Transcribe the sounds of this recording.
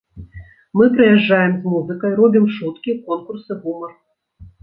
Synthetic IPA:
mɨpɾɨjɛʐːajɛmzmuzɨkɐjɾɔbʲimʂut̪kʲikɔnkursɨɣumɐr

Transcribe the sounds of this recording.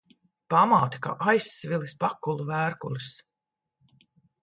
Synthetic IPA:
pamaːt̪ḁka̰ːʔajsːvʲilispakːulˠuvæːɾkulˠɨs

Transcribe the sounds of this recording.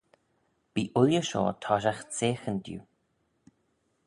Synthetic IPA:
b̥iːʔʊljəʃo̰ːt̪ʰɔːʃ̬axt͡seːxənd̪jṵː

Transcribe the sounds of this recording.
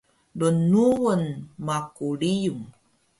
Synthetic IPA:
lunuwənmakuɭijum

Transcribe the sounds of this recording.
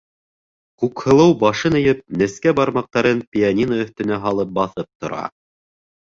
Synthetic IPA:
kʉkhɤ̆lˠɤwbɑʃɤnɘ̆jɘp̚nɘ̆skæbɑɾmɑq̚t̪ɑɾɤnpʲɪanʲinaɵ̆θt̪ɘ̆næɦɑlˠɤp̚bɑθɤp̚t̪ŏ̰ɾɑ̰

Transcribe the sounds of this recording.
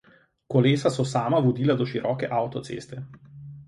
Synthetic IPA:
kɔleːsasɔsaːmaʋɔd̪iːlad̪ɔʃiɾʔɔːkɛʔaːwt̪ɔt̪sḛːst̪ɛ

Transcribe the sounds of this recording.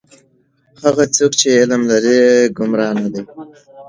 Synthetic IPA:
haɣat͡soːkt͡ʃeːlmlaɾiɡʊmɾɑːnad̪e

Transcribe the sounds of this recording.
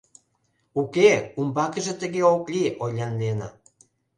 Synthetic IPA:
ukeumbɑkəʒĕt̪əɣeoklʲiʔojlʲɑnːenɑ̰

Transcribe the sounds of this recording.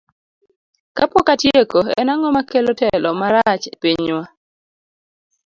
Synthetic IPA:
kapɔkatjekoɛ̰naŋɔmakelɔtɛlɔmaɾat͡ʃpiɲwa

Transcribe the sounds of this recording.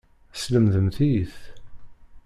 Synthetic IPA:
sləmðəmθiθ

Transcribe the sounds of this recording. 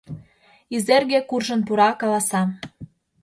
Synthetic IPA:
izerɣekurʒə̆npuɾɑkɑlɑsɑ

